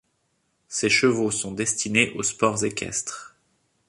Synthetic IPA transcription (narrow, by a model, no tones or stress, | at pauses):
seʃəvosɔ̃d̪ɛst̪ineʔospɔʁzekʲɛ̰st̪χ